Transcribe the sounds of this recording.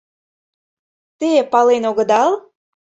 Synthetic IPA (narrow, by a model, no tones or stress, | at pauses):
t̪epɑlenoɣə̆d̪ɑl